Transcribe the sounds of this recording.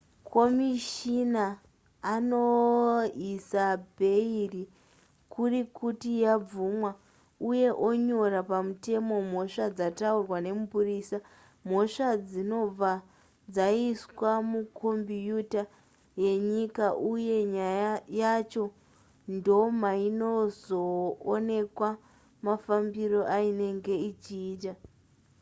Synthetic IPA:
kʰo̞miʃinaː | no̞ | isabʱe̞iri | kurikutijab͡vumwa | uje̞ʔo̞ɲo̞rapamute̞mo̞m̤o̞ʂad͡zataurwane̞mupuriːsa | m̤o̞ʂad͡zino̞b͡va | d͡zaiswamukʰombijuta | je̞ɲikaʔuje̞ɲajjat͡ʃo̞ | ndo̞maino̞zo̞ːne̞kwa | mafambiro̞ʔaine̞ŋɡe̞it͡ʃiːta

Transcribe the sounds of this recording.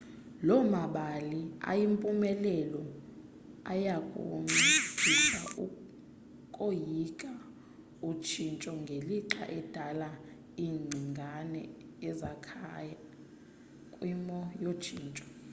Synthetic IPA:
lɔmaɓalia̰jimpʼumɛlɛlɔ | a̰jakʼo̰ŋ͡ǀi̥iʃʰa | kʼojikʼa | ut͡ʃʰint͡ʃʼɔŋɡʱeliǁʰa̰ʔɛd̥ʱala | iːŋ͡ǀʱiŋɡʱanɛ̰ | ɛzakʰaja | kʼwimɔjo̥t͡ʃʰiːnt͡ʃʼɔ̥

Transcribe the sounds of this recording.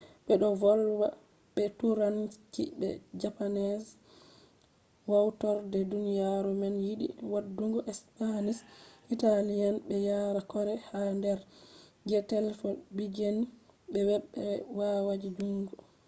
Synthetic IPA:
ɓɛɗɔvɔlwa | ɓɛtuɾankḭbɛ̰d͡ʒapanɛs | wawtɔɾdɛdunijaɾumɛnjiɗḭwadːuŋɡɔʔɛspanisʔitalianɓɛjaɾakɔɾɛhandɛɾɡɛtɛlfɔbid͡ʒeni | bɛwɛɓːɛwawad͡ʒid͡ʒuŋɡɔ

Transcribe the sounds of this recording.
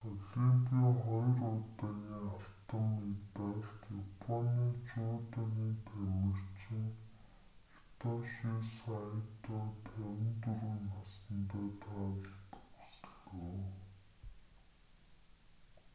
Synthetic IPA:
ɔɮiːmpiːŋχɔjrʊt̪aːɣiːŋaɬt̪ə̆mːet̪eːɬt̪japʰɔniːt͡ɕʊːt̪aniːt̪ʰæmɘ̆rt͡ɕiŋ | t̪ɔʃisajt̪ɔːt̪ʰæwʲɪ̆nt̪urwuːnasə̆nt̪æːt̪ʰaːɮt̪ɵ̥ksɮoː

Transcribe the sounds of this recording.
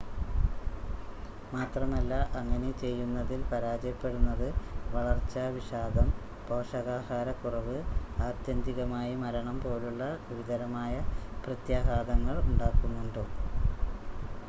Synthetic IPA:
maːt̪rɐmɐlːɐʔɐŋːɐne̞t͡ɕe̞jːunːɐðilpɐɾaːd͡ʑjɐpːe̞ɽunːɐðɨʋɐɭɐrt͡ɕːɐʋiɕaːd̪ʱɐm | po̞ːʂɐɣaːhaːɾɐkurɐʋɨaːd̪jɐnd̪iɣɐmaːjimɐɾɐɳɐmpo̞ːluɭːɐʋid̪ɐɾɐmaːjɐprɐt̪jaːɦaːd̪ɐŋːɐɭuɳɖaːkːunːuɳɖoː

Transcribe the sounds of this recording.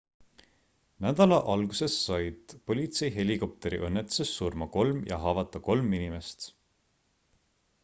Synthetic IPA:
næd̪̥ɑlɑʔɑlɡuse̞sːɑjd̪̥po̞lʲit̪se̞jɦe̞liko̞p̚t̪e̞ɾḭʔɤnːet̪ːˑu̥sesːurmɑko̞lmjɑ̰ɦɑːvɑt̪ːˑɑko̞lminime̞st̪

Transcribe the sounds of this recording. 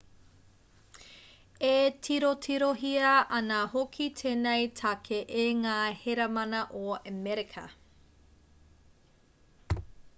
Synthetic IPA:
etʰiɾotʰiɾoɦiɐʔɐnɐhokʰitʰeːnejtʰɐkʰeʔeŋaːheɾɐmɐnɐʔoəmɛɾikʰɐ̰

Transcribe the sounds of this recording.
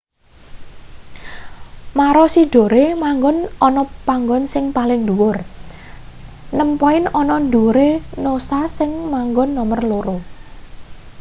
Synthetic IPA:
maɾɔsiɖ̥o̤ɾemaŋɡɔnɔnɔpaŋɡɔnsɪŋpalɪŋd̪uwʊr | nəmpɔɪnɔnɔndoɾenosasɪŋmaŋɡɔnːɔmərloɾo

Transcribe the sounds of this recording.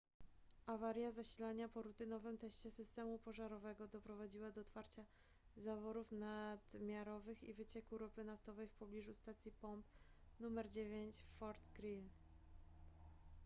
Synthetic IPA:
ʔavaɾʲjazaɕilaɲapɔɾut̪ɘnɔvɘmt̪ɛɕt͡ɕɛsɘst̪ɛmupɔʐaɾɔvɛɡɔd̪ɔpɾɔvad͡ʑiwad̪ɔːt̪faɾt͡ɕa | zavɔɾufnad̪̥mʲjaɾɔvɘxḭvɘt͡ɕɛkuɾɔpɘnaft̪ɔvɛjfpɔblʲiʐust̪at̪sʲjipɔmpnumɛɾd͡ʑevʲjeɲt͡ɕfɔɾt̪ɡɾin

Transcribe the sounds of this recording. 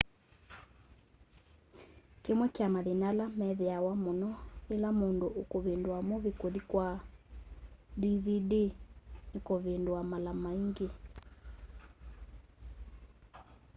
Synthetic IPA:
kemwɛkamaðenalamɛðeawamonɔelamondoʔokoβendwamoβekoðikwa | diβidenekoβendoamalamaiŋɡe

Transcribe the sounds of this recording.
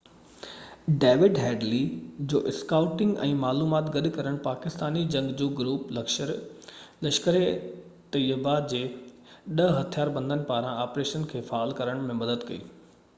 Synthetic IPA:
ɖeːʋɪɖɦɛːɖlid͡ʑoːʔɪskaːʊʈɪ̃ŋɡɛ̃ːmaːluːmaːt̪ɡɐɗkɐɾəɽ̃paːkɪst̪aːnid͡ʑɐ̃ŋɡd͡ʑoːɡɾuːplɐkʃəɾlɐʃkəɾet̪ɐjəbad͡ʑeː | ɗɐɦɐt̪ʰijaːɾbɐ̃nd̪ənɪ̆paːɾãaːpɾeːʃənkʰeːfaaːlkɐɾəɽ̃mẽmɐd̪əd̪kɐḭː

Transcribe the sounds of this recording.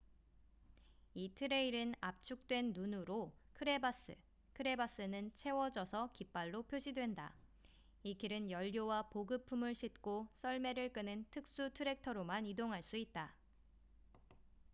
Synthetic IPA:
itʰɯɾe̞iɾɯnap̚t͡ɕʰuk̚t͈we̞nːunuɾokʰɯɾe̞bas͈ɯ̰ | kʰɯɾe̞bas͈ɯnɯnt͡ɕʰe̞wʌd͡ʑʌsʰʌkip͈aɭːopʰjoɕʰidwe̞nda̰ | ikiɾɯnjʌʎːowapoɡɯpʰumɯɭɕʰit̚k͈os͈ʰʌɭme̞ɾɯɭk͈ɯnɯntʰɯk̚s͈utʰɯɾe̞k̚tʰʌɾomanidoŋɦaɭs͈uit̚t͈a

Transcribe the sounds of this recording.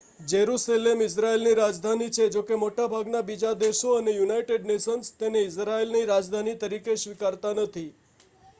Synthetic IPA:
d͡ʒeɾuselemɪs̬ɾaelniɾad͡ʒd̪ʱanit͡ʃʰed͡ʒokemoʈabʱaɡnabid͡ʒad̪eʃoənejunaiʈeɖneʃənst̪eneɪs̬ɾaelniɾad͡ʒd̪ʱanit̪əɾikeʃʋikaɾt̪anət̪ʰi

